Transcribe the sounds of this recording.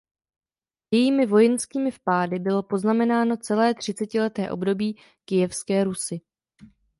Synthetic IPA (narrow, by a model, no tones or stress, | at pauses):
jɛjiːmɪvo̞jɛnskiːmɪfpaːdɪbɪlo̞po̞znamɛnaːno̞t͡sɛlɛːt̪r̝̥ɪt͡sɛcɪlɛt̪ɛːʔo̞bdo̞biː | kɪjɛfskɛːɾusɪ